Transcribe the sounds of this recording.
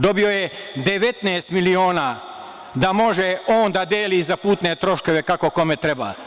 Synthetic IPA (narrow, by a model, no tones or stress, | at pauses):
d̪o̞bio̞jed̪eʋe̞t̪neːst̪milioːnaː | d̪amo̞ʒeoːnd̪ad̪jeːlizapuːt̪net̪ɾo̞ʃkoʋekako̞komet̪ɾeba̰ː